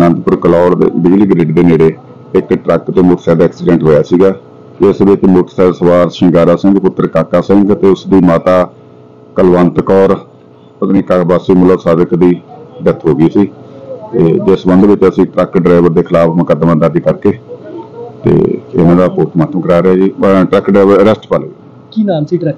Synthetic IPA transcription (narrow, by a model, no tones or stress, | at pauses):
nə̃nt̪pʊɾklɔːɽ̰bɪd͡ʒliːɡɾeːɖd̪eːneːɽeː | ɪkʈɾəkt̪eːmʊːʈsɛːd̪ɛːksɪɖɛ̃ɳʈɦoːjaːsiːɡaː | ɪsʋɪt͡ʃmoːʈsɛːsəʋaːɾʃɪ̃ŋɡaːɾaːsɪ̃ŋɡpʊt̪ːəɾkaːkaːsɛ̃ŋɡt̪eːʊsd̪iːmaːt̪aː | kəlʋə̃nt̪kɔːɾ | ət̪niːkaːbaːsiːmʊləsaːd̪əkd̪iːɖət̪ʰɦoːɡiːsiːt̪eːd͡ʒɪsbənd̪ʋɪt͡ʃəsĩːʈɾəkɖɾaːɪʋəɾd̪eːkʰɪlaːpʰməkəd̪mãːd̪əɾd̪iːkəɾkeː | t̪ḛːɪ̰nãːɖaːpoːt̪ʰmaːt̪əmkəɾaːɾaːd͡ʒiːʈɾəkɖɾaːɪʋəɾəɾɛsʈpaːleː | kiːnaːnsiʈ